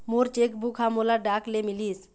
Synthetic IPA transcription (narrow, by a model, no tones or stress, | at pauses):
moɾt͡ʃekbukʰɦamolaɖaklemilis